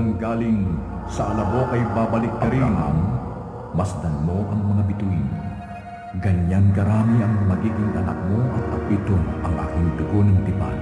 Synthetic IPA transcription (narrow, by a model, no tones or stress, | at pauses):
ɐŋʊɡaːlɪŋ | sɐʔɐlɐbo̞ʔɐjbabɐlɪk̚kɐɾina̰m | mɐsd̪ɐnmo̞ʔɐŋmɐŋabit̪uɪn | ɡɐɲankɐɾaːmiɐŋmɐɡiːɡɪŋɐnɐ̰k̚moʔɐt̪̚ɐbit̪oʔɐŋʔa̰ːkɪŋd̪ʊɡo̞nɐŋt̪ɪpa̰